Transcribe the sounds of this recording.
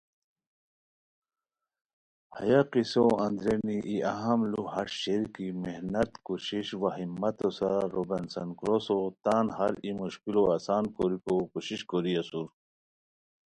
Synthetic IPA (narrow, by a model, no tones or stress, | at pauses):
hɐ̰jaqisoʔɐnd̪ɾeniʔiɐɦɐmluhɐɾɕeɾkimehnɐt̪kuɕiɕwaɦimːɐt̪osaɾobensɐnkɾosot̪aːnhɐɾimuɕkiloasaːnkoɾikokuɕiɕkoɾiɐsuɾ